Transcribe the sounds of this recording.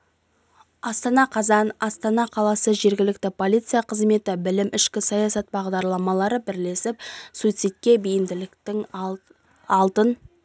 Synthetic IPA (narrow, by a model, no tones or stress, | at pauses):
ɑst̪ɑnɑqʰɑzɑnɑst̪ɑnɑqʰɑlˠɑsəʒe̞ɾɡʲɪlɪk̚t̪ɪpʰo̞lijt̪sɨjaqʰəzme̞t̪ɪbɪlɪmʔɪʃkʲɪsɑjɑsɑt̪̚bɑʁd̪ɑɾlˠɑmɑlˠɑɾəbɪɾle̞sɪp̚sujt̪sijt̪̚kʲːe̞bijɪmd̪ɪlɪkt̪ɪŋ | ɑlˠt̪ən